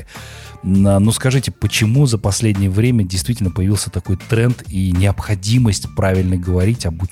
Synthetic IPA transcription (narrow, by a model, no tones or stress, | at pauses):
anuskɐʐɨtʲɪpət͡ɕɪmuzəpɐsʲlʲedʲnʲɪjəvɾʲemʲədʲɪjst̪vʲitʲɪlʲnəpəjɪvʲilˠsʲət̪ɐko̞jt̪ɾɛnt̪inʲɪɐpxɐdʲiməsʲtʲpɾavʲɪlʲnəɡəvɐɾʲitʲɐbʊ